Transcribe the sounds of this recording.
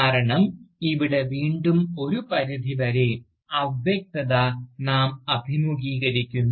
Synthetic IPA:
aːɾɐɳɐmiʋiɽe̞ʋiːɳɖumo̞ɾupɐɾid̪ʱiʋɐɾe | ɐbʱjɐk̚t̪ɐðanaːmɐbʱimuɡiːɣɐɾikʲːunː

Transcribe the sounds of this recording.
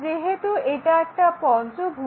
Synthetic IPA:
d͡ʒeɦet̪ueʈaɛk̚ʈapɔnsuɡʱu

